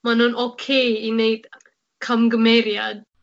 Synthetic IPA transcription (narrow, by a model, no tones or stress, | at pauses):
manɔnʔokʰeinejt̪ | kʰamɡəmɛɾjad̪̚